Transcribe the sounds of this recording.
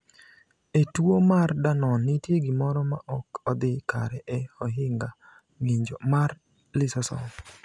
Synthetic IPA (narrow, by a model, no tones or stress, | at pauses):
etwomardanɔnːitjeɡimɔɾɔma̰ʔɔkɔd̪ɪkaɾɛʔɛɔɦɪŋɡa | ŋiɲd͡ʒomar | lɪsɔsɔ̰